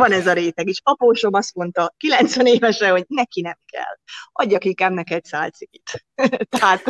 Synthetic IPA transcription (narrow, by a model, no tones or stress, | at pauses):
vɒnɛzɒɾeːt̪ɛɡeːʃɒpoːʃo̞mɒst̪mo̞nt̪ɒkilɛnt̪sʋɛneːvɛʃɛho̞ɟnɛkinɛmkɛ̰lːɒɟːɒkiŋkaːbnɛkɛtsaːlt̪sikit̪t̪ɛɦaːt̪